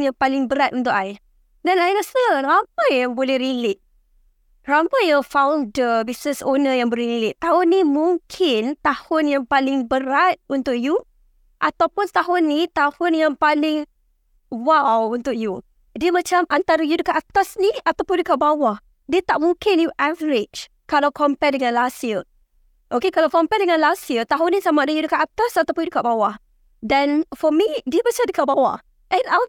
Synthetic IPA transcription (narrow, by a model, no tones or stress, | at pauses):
njaŋpalɪŋbəɾat̪ʔunt̪ʊkaɪ | danajnaʔsnramajaŋbolɛhɾilɪt̪̚ | ramajəfawndəbisnəsonəjaŋbəlrileʔt̪ːahʊnːimuŋkʰɪnt̪ahʊnjaŋpalɪŋbəɾat̪̚unt̪ʊk̚ju | ʔat̪awpʊnt̪aɦʊnːĩt̪ahʊnjaŋpalɪŋ | wawunt̪ʊk̚ju | diəmat͡ʃamʔant̪aɾəjudəkat̪̚at̪asniat̪awpʊndiəkaʔ̚bawah | diət̪aʔmũkenjuʔavəɾɪt͡ʃ | kalawkɔmpɛdəŋãnlasiə | ʔokekalawkɔmpɛdəŋãnlasiət̪aɦʊnĩsamaʔdəjudəkat̪at̪asat̪awpʊnjudəkaʔ̚bawah | danfɔmidiəmat͡ʃamdəkaʔbawa̰ | ʔɛ̃na